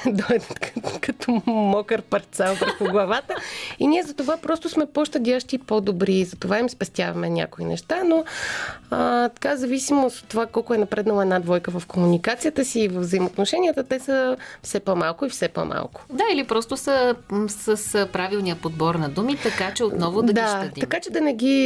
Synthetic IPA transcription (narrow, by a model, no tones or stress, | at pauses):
d̪ɔjd̪ət̪kkɐt̪ɔmɔkəɾpɐɾt̪salˠpɾɛxuɡlˠɐvat̪əiniɛzɐt̪ovapɾɔst̪ʊsmɛpoʃt̪ɐd̪ʲaʃt̪ipod̪obɾiːzɐt̪ovaimspɛst̪ʲjavɐmɛnʲa̰koinɛ̰ʃt̪ano | ət̪ɐ̥kazɐvisimot̪ot̪ːovakɔlˠkʊɛnɐpɾɛd̪nɐlˠəɛdnad̪vɔjkəvɐfkomunikat̪sijət̪əsiːvəvzəimot̪noʃɛnʲiət̪ət̪ɛsəfsɛpɔmalˠkʊifsɛpɔ̰mʔa̰lˠkʊ̥d̪ailipɾɔst̪ʊsəsəspɾavilˠnijəpod̪̚bɔɾnɐd̪umit̪ɐkat͡ʃɛot̪nɔvʊd̪ɐɡd̪aʃtɐd̪it̪ɐkat͡ʃɛd̪ɐnɛɡʲi